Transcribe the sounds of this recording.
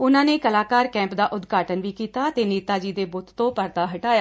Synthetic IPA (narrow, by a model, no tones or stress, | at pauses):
ʊnãːneːkəlaːkaːɾkɛ̃ːmpd̪aːʔʊd̪ɡʱaːʈənʋiːkiːt̪aːət̪eːniːt̪aːd͡ʒiːd̪eːbʊt̪t̪õːpəɾt̪aːɦəʈaːjaː